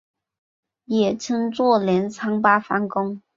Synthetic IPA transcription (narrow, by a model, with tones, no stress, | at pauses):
jɛ˨˩t͡ɕʰə˥ŋt͡swɔ˥˩ljɛ˧˥nt͡sʰɑ˥ŋpa˥fa˧˥ŋkʊ˥ŋ